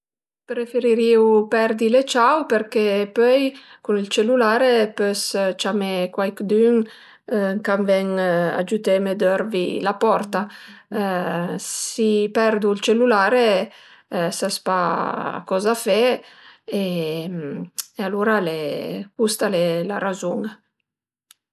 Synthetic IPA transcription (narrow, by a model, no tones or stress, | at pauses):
pɾefeɾiɾiwpɛɾd̪ilet͡ʃawpeɾkepœjkunilt͡ʃelulaːɾepøst͡ʃamekwajkd̪yŋ | kamvɛŋa̰d͡ʒut̪emed̪øɾvḭlapɔɾt̪a | sipɛɾd̪uilt͡ʃelulaːɾe | saspakɔzafɛ | emealuɾalekust̪alelaɾazuŋ